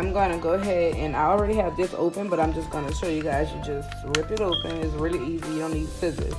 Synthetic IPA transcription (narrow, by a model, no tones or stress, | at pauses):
ãɪ̃mɡʌ̃ñɨɡoʊəɦɛdɨ̰̃naɪl̩ˠɹɛɾiɨvðɪso̰ʊpɨ̃nbʌɾãɪ̃md͡ʒʌsɡ̥ʌ̃nɨʃoʊjɨɡaɪzjɨd͡ʒʌs | ɹɪpɨɾoʊpɨ̃nɪts̬ɹɪlˠiizijɨɾõʊ̃nːid̥sɪzɪ̰